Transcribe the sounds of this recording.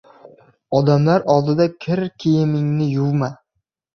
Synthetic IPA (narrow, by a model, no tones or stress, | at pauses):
ɒd̪amlaɾɒlˠd̪ɪd̪akʲʰɪɾkʲʰejɪmɪŋnɪjʊvma